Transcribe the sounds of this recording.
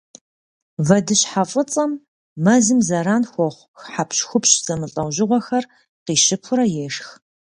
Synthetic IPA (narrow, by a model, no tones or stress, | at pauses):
vɐdɨɕħafʼət͡sʼɐmː | ɐzɨmzɐɾaːnxʷɔʁʷxħapɕxʷʊpɕz̥ɐmɨɬʼɐwʑɪʁʷɔxɐr | qiːɕɪpʰʊɾɐjɛːʂx